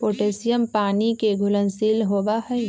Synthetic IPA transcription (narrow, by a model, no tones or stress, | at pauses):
poːʈeːsɪjəmpaːnikeɡʱʊlənsiːlɦoːʋaɦɛː